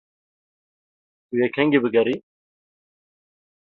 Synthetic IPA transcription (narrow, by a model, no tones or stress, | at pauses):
ujɛkʰhɛŋɡibɨɡɐɾiː